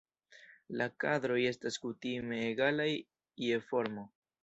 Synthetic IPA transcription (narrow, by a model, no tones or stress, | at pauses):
lakadɾo̞je̞staskutime̞ːɡalaj | ie̞fo̞ɾmo̞